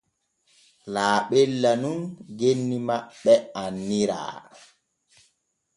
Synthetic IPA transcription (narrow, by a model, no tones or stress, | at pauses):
laːɓɛlːanunɡenːimaɓːɛanːiɾa̰ː